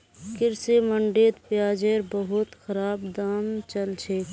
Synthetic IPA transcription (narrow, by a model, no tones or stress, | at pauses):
kɪɾseməɳɖeːt̪pjaːd͡ʒeɾbəɦʊt̪xəɾaːbd̪aːmt͡ʃəlt͡ʃʰeː